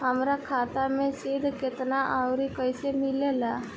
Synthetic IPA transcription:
ɦəmɾakʰaːt̪amẽsid̪ʱkɪt̪naʔaʊɾikəɪsemɪlelaː

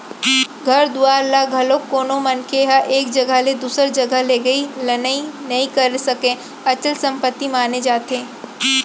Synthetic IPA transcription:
ɡʱɐɾd̪uaːɾlaɡʱɐlokːoːnomɐnkʰeɦaʔeːk̚d͡ʒɐɡəled̪uːsəɾd͡ʒɐɡəleːɡɐilɐnəinɐɦĩkɐɾsɐkẽ | ɐt͡ʃəlsɐ̃mpət̪ːimaːned͡ʒaːt̪ẽː

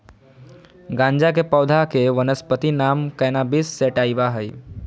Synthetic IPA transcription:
ɡãɲd͡ʒak̬epəwd̪ʱakeʋənəspət̪inamkəjnabisːeʈaiʋaɦəj

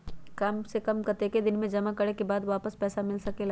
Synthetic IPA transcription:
kaːmsekɐmkɐt̪eked̪ɪnmẽd͡ʒɐmakɐɽekebaːd̪ʋaːpəspɛːsamɪlsɐkela

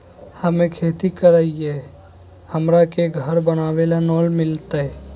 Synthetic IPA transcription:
həmẽkʰeːt̪ikəɾaːie | həmɾakeɡʱəɾbənaːwelanɔːlmɪlt̪aɛ

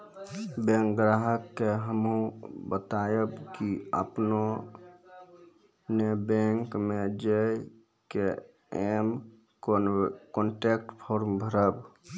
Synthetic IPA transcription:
bẽŋk̚ɡɾaɦəkːeɦəmɦũbət̪ajəbkiə̰pno | nebẽŋkmed͡ʒej | ke | em | kɔɳʈek̚ʈpʰoɾmbʱəɾəb

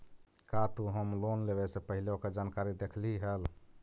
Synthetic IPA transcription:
kat̪uɦəmlonlebɛsẽpəɦileoked͡ʒankaɾid̪ekʰliɦəl

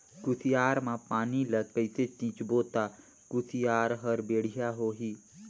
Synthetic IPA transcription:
ɡʊsijaːɾmãpaːnilət̪̚pəɪset̪ĩːt͡ʃboːt̪a | ɡ̥ʊsijaːɾɦəɾbeːɽ̤ijaɦoːɦiː

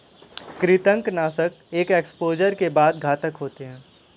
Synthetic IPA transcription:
kɾɪt̪ə̃ŋknaːsək | eːkeːkspoːd͡ʒəɾkebaːd̪̚ɡʱaːt̪əkɦoːt̪eɦɛ̃ː

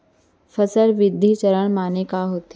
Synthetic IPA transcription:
fəsəlʋɪd̪ʱːit͡ɕəɾəɳ̃maːnekaɦoːt̪

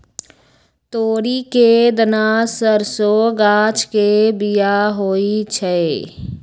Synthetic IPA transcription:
t̪oːɾiked̪ənaːsəɾsoɡaːt͡ʃʰkebijaɦoːit͡ʃʰɛ

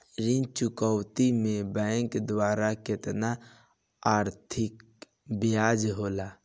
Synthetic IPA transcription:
ɾɪ̃nt͡ʃʊkəwt̪imẽbɛ̃ːŋkd̪waːɾakɪt̪na | aːɾt̪ʰɪk | bɪjaːd͡ʒɦoːlaː

